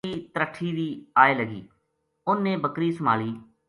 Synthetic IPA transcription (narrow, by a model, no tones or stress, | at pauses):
iːt̪əɾəʈʰːiːd̪iːaːeːləɡḭː | ʊnːeːbəkɾiːsəma̰ːliː